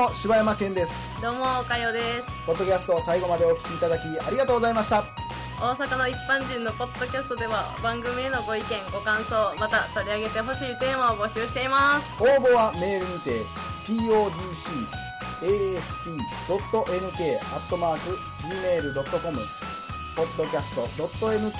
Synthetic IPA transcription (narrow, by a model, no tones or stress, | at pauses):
oɕiβajamakẽ̞nd̪e̞sɨ̥ | d̪̥o̞ːmo̞ːkajo̞ːd̪e̞sɨ̥po̞d̪ːo̞kʲasɨ̥t̪o̞saiɡo̞mad̪e̞okʲi̥kʲiːt̪ad̪akʲia̰ɾʲiɡat̪oːɡozaimaɕi̥t̪a | o̞ːsakano̞ipːãɲ̟d͡ʑĩnːo̞po̞d̪̥ːo̞kʲasɨ̥t̪o̞d̪e̞βabãŋɡɯ̟mʲie̞no̞ɡo̞ikẽ̞ŋɡo̞kãɰ̃so̞ːmat̪at̪o̞ɾʲiaɡe̞t̪e̞ɦo̞ɕiːt̪e̞ːmao̞ɡo̞ɕɨːɕi̥t̪e̞imasɨ̥oːbo̞βame̞ːɾɯ̟mit̪e̞ | pʲiːo̞ːd̪ʲiːɕiː | eːesɨ̥pʲiː | d̪̥o̞t̪ːo̞ʔe̞nɯ̟ke̞ːat̪ːo̞maːkɯ̟ | d͡ʑiːme̞ːɾɯ̟d̪o̞t̪ːo̞ko̞mɯ̟ | po̞d̪ːo̞kʲasɨ̥t̪o̞d̪o̞t̪ːo̞e̞nɯ̟